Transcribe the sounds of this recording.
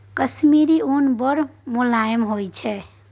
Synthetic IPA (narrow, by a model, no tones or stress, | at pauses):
kəsmiɾiunbəɾmulajmɦojt͡ʃʰɛ